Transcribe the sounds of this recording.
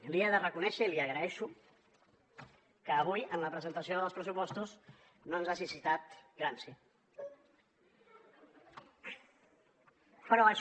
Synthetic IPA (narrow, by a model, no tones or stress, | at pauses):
lieðərəkunɛʃəiliəɣɾəɛʃu | kəːβujənləpɾəzənt̪əsioðəlˠspɾəsupɔst̪uz | noənzasisit̪at̪ɡɾansi | pəɾɔəʃ